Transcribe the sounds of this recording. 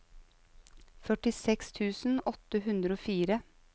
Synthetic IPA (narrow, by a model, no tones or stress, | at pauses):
fœʈɪsɛkst̪ʰʉːsn̩ɔt̪əɦʉnd̪ɾəoːfiːɾə